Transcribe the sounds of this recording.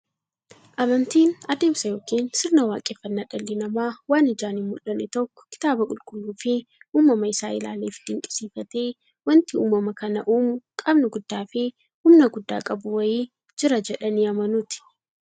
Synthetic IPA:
ʔɐmɐnt̪iːnɐd̪e̞ːmsɐjo̞ːkiːnsɪɾnɐwaːkʼeːfɐnːaːᶑɐlːɪnɐmaːwaːnɪd͡ʒaːnɪmmʊlːɐnɛt̪ɔkːɔ̥kɪ̥t̪aːbɐkʼʊlkʼʊlːuːfɪuːmːɐmɐɪsaːɪla̰ːleːfɪd̪ɪŋkʼɪ̥siːfɐt̪eː | wɐnt̪ɪṵːmːɐmɐkɐnɐʔuːmʊkʼɐbnʊɡʊd̪ːaːfɪ | hʊmnɐɡʊd̪ːa̰ːkʼɐbʊwɐjeː | d͡ʒɪɾɐd͡ʒɛᶑɐniːɐmɐnʊt̪ɪ̥

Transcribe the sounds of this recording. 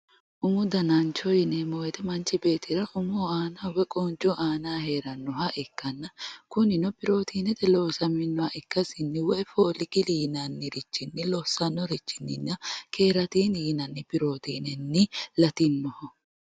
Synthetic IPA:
ʔʊmʊd̪ɐnant͡ʃɔjɪnɛmɔjɛt̪ɛmɐnt͡ʃːɪbe̞ːt̪ɪɾɐʔʊmoːaːnaːwɛkʼoːnt͡ʃɔʔaːnaːheːɾɐnːɔɦɐʔɪkːɐnːɐkʊnɪnɔpɪɾo̞ːt̪iːnɛt̪ɛloːsɐmɪnːɔaʔɪkːɐsɪnːɪwɔʔɛfoːlɪkɪliːnɐnːɪɾɪt͡ʃːɪnːɪlɔsɐnːɔɾɪt͡ʃːɪnːɪnːɐkʰeːɾɐt̪iːniːnɐnːɪpɪɾoːt̪iːnɛnːɪlɐt̪ɪnmɔhɔ

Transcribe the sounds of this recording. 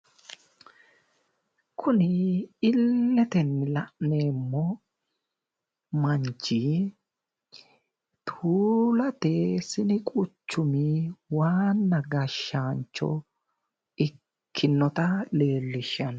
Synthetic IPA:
kʰʊnɪɪlːɛt̪ɛnːɪlɐʔneːmːɔ | mɐɲt͡ʃːi | t̪ʰuːlɐt̪esɪnɪkʼʊt͡ʃːʊmiwaːnːɐɡɐʃːaːnt͡ʃːɔ̰ | ɪ | kʰːɪnːɔt̪ɐle̞ːlːɪʃːɐn

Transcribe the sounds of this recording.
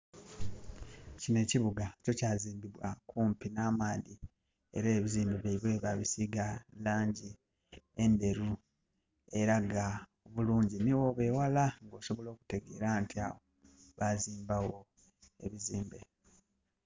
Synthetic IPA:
cine̞ciβuɡaco̞caːziːmbiβwakuːmpinaːmaði | e̞̰ɾeːβiziːmbeβaiβwe̞ːβaβisiɡalaːɲɟi | e̞nde̞ɾu | e̞ɾaɡaoβuluːɲɟiniwo̞βe̞ːwalaŋɡo̞ːso̞βo̞lo̞ːku̥te̞ɡe̞ːɾantia̰ːβo | βaziːmbawo̞ | e̞̰βiziːmbe̞

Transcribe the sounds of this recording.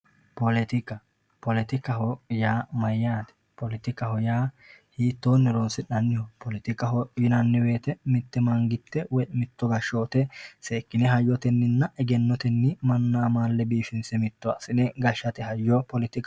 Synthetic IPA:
pɔlɪt̪ɪkɐ | pɔlɪt̪ɪkɐɦɔjaːmɐjːaːt̪ɛ̥ | pɔlɪt̪ɪkɐhɔjaː | hiːt̪ːoːnːɛɾonsɪᶑɐnːɪjɔpɔlɪt̪ɪkɐɦɔjɪnɐnːɪwe̞ːt̪ɛmɪt̪ːɛmɐŋɡɪt̪ːɛwɔjmɪt̪ːɔɡɐʃoːt̪ɛseːkːɪnɛɦɐjːɔt̪ɛnːɪnːɐɛɡɛnːɔt̪ɛnːɪmɐnːaːmaːlːɛbiːʃɪnsɛmɪt̪ːɔɐ̰sɪnɛɡɐʃːɐt̪ɛhɐjːɔpɔlɪt̪ɪk

